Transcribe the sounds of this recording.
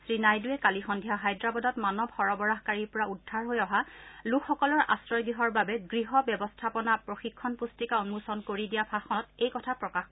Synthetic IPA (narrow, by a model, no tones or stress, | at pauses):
sɹinajduɛkalixɔndʱijaɦajdɹabɔdɔtmanɔbxɔɹɔbɔɹaɦkaɹiɹpɔɹaudʱːaɹɦojɔɦalukʰːɔkɔlɔɹʔa̰sɹɔjɡɹiɦɔɹbabɛɡɹiɦɔbjɛbɔstʰapɔnapɹoxikʰːɔnpustikaɔnmusɔnkoɹidijapʰaxɔtejkɔtʰapɹɔkax